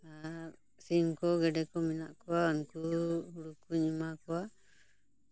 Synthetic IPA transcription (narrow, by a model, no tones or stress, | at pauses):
a | siŋkoɡeɖekomĩnaʔkoaŋkuɾukuɲimakoa